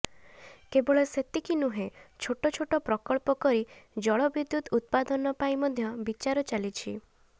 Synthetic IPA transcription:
kebɔɭɔset̪ikinuɦet͡ʃʰoʈɔt͡ʃʰoʈɔpɾɔkɔɭpɔkɔɾid͡ʒɔɭɔbid̪jut̪ut̪̚pad̪ɔnɔpajmɔd̪ʱjɔbit͡ʃaɾɔt͡ʃalit͡ʃʰi

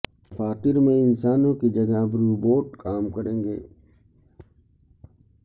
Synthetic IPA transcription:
ɐfaːt̪ɪɾmẽɪnsaːnõkid͡ʒɐɡabɾuːboːʈkaːmkɐɾẽːŋɡḛː

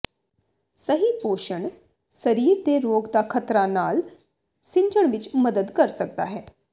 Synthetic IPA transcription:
səɦiːpoːʃəɳ | səɾiːɾd̪eːɾoːɡd̪aːkʰət̪ɾaːnaːl | sɪ̃ɲd͡ʒəɳ̃ʋɪt͡ʃməd̪əd̪kəɾsək̚d̪a̰ːɦɛː

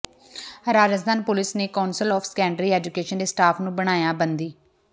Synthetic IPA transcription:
ɾaːd͡ʒəs̬d̪ʰʱaːnpʊlɪsneːkaːnsəlɔːfʰskɛːɳɖɾiːɛːd͡ʒʊkeːʃənd̪eːsʈaːpʰnũːbəɽ̃aːjaːbənd̪iː

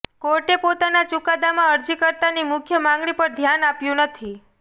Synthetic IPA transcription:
koɾʈepot̪anat͡ʃukad̪amãəɾd͡ʒikəɾt̪animʊkʰjəmãŋɡɭipəɾd̪ʱjanapjũnət̪ʰi

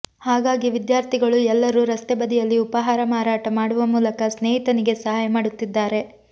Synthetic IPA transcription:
haːɡaːɡiʋid̪jaːɾt̪ʰiɡɐɭuɛlːɐɾuɾɐst̪ɛbɐd̪ijɐlːiupɐɦaːɾɐmaːɾaːʈɐmaːɽuʋɐmuːlɐkɐsneːɦit̪ɐniɡe̞sɐɦaːjɐmaːɽut̪ːid̪ːaːɾe̞

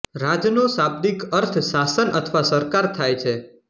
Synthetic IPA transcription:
ɾad͡ʒnosab̚d̪ikəɾt̪ʰʃasənʔə̰t̪ʰʋasəɾkaɾt̪ʰajt͡ʃʰe

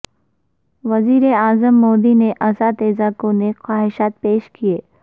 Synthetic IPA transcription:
ʋɐziːɾeaːzəmːoːd̪ineʔɐsaːd̪eːzaːkõnexaːɦɪʃaːt̪̚peːʃkieː

